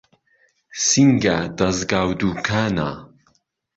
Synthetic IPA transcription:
siŋɡad̪̥ɐzɡaːwd̪uːkʰaːna̰

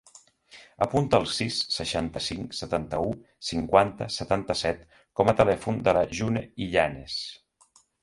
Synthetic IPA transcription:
əpunt̪əːlˠsisːəʃant̪əsiŋsət̪ant̪əu | siŋkwant̪əsət̪ant̪əsɛt̪ | kɔmət̪əlɛfund̪ələʒuneiʎanes

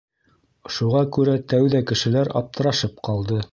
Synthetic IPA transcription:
ʃuʁɑkʉɾæt̪æwðækɘ̆ʃɘ̆læɾɑ̰p̚t̪ɤ̆ɾɑʃɤp̚qʰɑlˠd̪ɤ

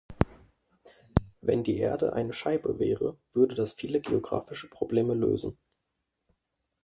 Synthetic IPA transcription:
vɛndiːʔḛːɐdə̰ʔa̰ɪnəʃaɪbə̰vɛːʁə̰v̥ʏɐdədasfiːləɡeoɡʁa̰ːfɪʃə̥pʁ̥obleːməlø̰ːzn̩

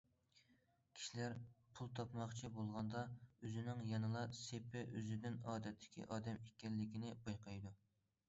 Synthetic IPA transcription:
kʲʰi̥ʃilæɾpʰulˠt̪ʰɑpmɑχt͡ʃʰibolˠʁɑnd̪ɑøzɪnɪŋjɑnɨlˠɑsepɪʔøzɪd̪ɪnɑːd̪ɛt̪ʰːɪ̥kʲḭʔɑːd̪ɛmekʲɛlːɪkʲinɪbɑjqɑjd̪u

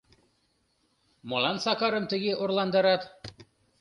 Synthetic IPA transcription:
molˠɑnsɑkɑɾɤmt̪ɘ̆ɡɘʔŏɾlˠɑnd̪ɤ̆ɾɑt̪

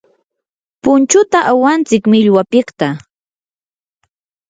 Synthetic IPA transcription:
pʊnt͡ʃʊt̪aʔawant͡sɪkmɪʎwapɪχt̪a

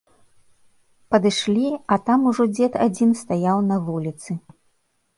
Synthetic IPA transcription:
pɐd̪ɨʂlʲiɐt̪amuʐɔd͡zʲɛt̪ad͡zʲinst̪ajawnɐvulʲit̪sɨ

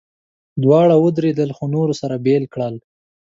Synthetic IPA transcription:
d̪wɑɽawəd̪ɾed̪əlxonoɾosaɾabelkɽəl

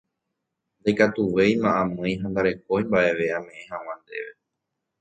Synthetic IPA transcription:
nd̪ekat̪uʋe̞jmãʔãmɨ̃j̃ɦand̪aɾe̞k̚oimbaʔe̞ʋeãmẽ̞ʔẽhãw̃ãnd̪e̞̰ʋe̞

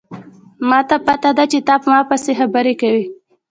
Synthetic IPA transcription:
mɑt̪apat̪ad̪at͡ʃet̪ɑpəmɑpəsexabəɾekawi

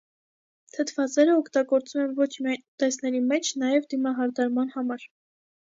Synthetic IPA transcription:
t̪ʰət̪ʰvɑt͡sɛɾəɔkʰt̪ɑɡɔɾt͡sumɛnvɔt͡ʃʰmiɑjnt̪ɛsnɛɾimɛt͡ʃʰnɑjɛvd̪imɑɦɑɾd̪ɑɾmɑnhɑmɑɾ

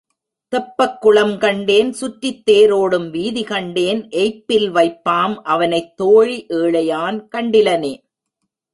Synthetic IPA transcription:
t̪ɐpːɐkːʊɭɐmkɐɳɖeːnsʊʈːɪt̪ːeːɾoːɽɯmʋiːðɪkɐɳɖeːnʔɛɪpːɪlʋɐɪpːaːmʔɐʋɐnɐɪt̪ːoːɻiʔeːɭɐjaːnkɐɳɖɪlɐneː

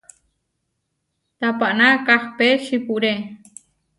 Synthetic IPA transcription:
t̪apaʔnakaχpeʃipuʔɾe

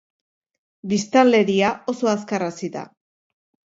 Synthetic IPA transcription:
bist̪ale̞ɾiao̞so̞askarasiða̰

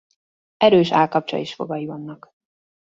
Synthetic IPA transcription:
ɛɾøːʃaːlkɒp̚t͡ʃo̰liʃfo̞̰ɡɒjivɒnːɒk

